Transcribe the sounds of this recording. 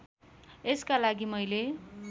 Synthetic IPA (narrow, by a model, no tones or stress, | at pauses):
eskalaɡimʌjle